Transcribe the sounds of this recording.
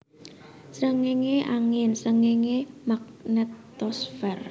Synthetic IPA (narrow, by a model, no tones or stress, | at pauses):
səŋeŋeʔaŋɪnsəŋeŋemak̚nət̪ː | ɔsfɛr